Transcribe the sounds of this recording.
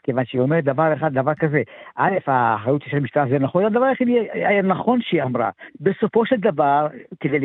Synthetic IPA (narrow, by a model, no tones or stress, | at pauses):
kevanʃeiomeʁd̪avaʁeχad̪dːavaʁkazeʔalefaːχʁajut̪jiʃelmiʃt̪aazenaχonad̪avaʁeχid̪eajanaχo̞nʃeiamʁa̰beso̞fo̞ʃeld̪avaʁked̪el